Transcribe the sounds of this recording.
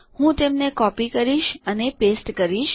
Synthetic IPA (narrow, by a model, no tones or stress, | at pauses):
hũt̪emnekɔpikəɾiʃənepesʈkəɾiʃ